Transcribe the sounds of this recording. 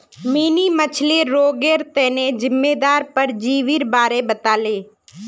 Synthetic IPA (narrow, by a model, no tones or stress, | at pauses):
miːniːmət͡ʃʰleːoːɡeːɾt̪ɛːnẽːzɪmːeːd̪aːɾpəɾd͡ʒiːʋiɾbaːɾeːbət̪aːleː